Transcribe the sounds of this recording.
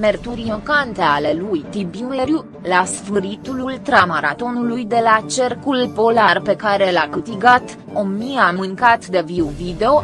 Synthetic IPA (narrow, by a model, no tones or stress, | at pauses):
mert̪uɾinokant̪e̞ale̞lujt̪ibileɾju | lasfɨɾit̪ulult̪ɾamaɾat̪o̞nulujd̪e̞lat͡ʃe̞rkulpo̞larpe̞kaɾe̞lakɨt̪iɡat̪ | omiamɨŋkat̪d̪e̞vivid̪eo̞